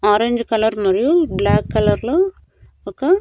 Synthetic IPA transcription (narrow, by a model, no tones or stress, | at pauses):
ɔːɾeɲd͡ʒkɐlɐɾmɐɾijublaːkːɐlɐɾlo | okːe